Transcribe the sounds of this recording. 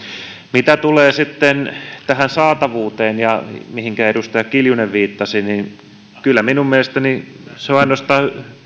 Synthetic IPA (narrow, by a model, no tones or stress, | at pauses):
mit̪æt̪uleːsit̪ːent̪æhænsɑːt̪ɑʋuːt̪eːnjɑmihiŋkæedust̪ɑjɑkiljuneʋʋiːt̪ːɑsinin | kylːˑæminummelest̪æniseoɑinost̪ɑː